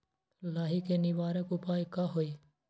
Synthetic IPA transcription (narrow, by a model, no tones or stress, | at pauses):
laːɦiːkeːniʋaːɾekʊpaːekaɦoːiː